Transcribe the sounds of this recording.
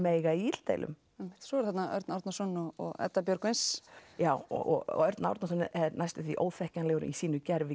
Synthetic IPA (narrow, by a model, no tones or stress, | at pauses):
meːjɣaiit̪l̥t̪ḛjlʔʏ̰m | emɪ̥ht̪sɔɛɾθat̪naœ̰ɾt̪nawɾt̪nasɔnːɔɔ̰ɣɛ̰t̪ːapjœɾkejnsjaːwɔ̰ɔ̰ɣɔ̰ɣœɾt̪na̰wɾt̪nasɔnːɪʔɛðnajst̪ʏ̥θvḭʔo̰ːwθɛhcanlɛɣʏɾʏ̰misiːnʏcɛɾvɪ